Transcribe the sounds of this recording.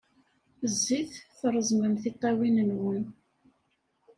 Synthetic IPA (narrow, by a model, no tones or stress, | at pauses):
zːiθθrˤəzˤməmθit̪ˤːɑwinənwən